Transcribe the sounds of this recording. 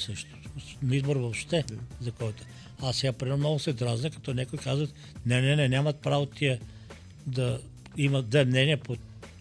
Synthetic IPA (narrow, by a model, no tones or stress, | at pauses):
sɤʃt̪o̥ | nɐizboɾvopʃt̪ɛzɐkɔjt̪o̥ | asːɛɡapɾiɛmnɔɡʊsɛd̪ɾaznɛkɐ̥t̪ɔnʲɛkojkazvət̪ | nɛnɛnɛnʲamɐt̪̚pɾavot̪ʲiə | d̪ɐ | imɐd̪vɛmnɛniəpo